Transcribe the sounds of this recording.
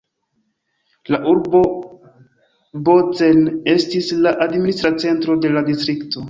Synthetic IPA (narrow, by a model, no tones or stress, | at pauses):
laʔuɾbo̞ | bot͡se̞ne̞stislaʔadministɾat͡se̞ntɾo̞de̞ladistɾikto̞